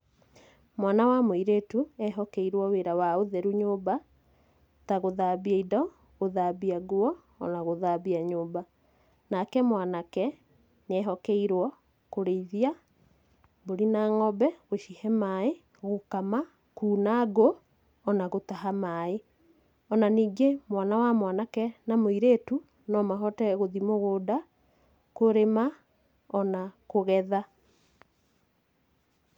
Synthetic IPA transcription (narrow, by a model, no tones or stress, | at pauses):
mwanawamwiɾetuɛɦɔkɛiɾwɔweɾawaoðɛɾuɲoːba | taɣoðabiaidɔ | ɣoðabiaɣwɔː | naɣoðabiaɲoːba | nakɛmwanakɛ | neɛɦɔkɛiɾwɔ | koɾeiðia | boɾinaːŋɔbɛɣoʃihɛmae | ɣokama | kuːnaɡo | ɔnaɣotaɦamae | ɔnaniːɡemwanawamwanakɛnamoiɾeːtu | nɔmaɦɔtɛɣoðimoɣoːda | koɾema | ɔnakoɣɛða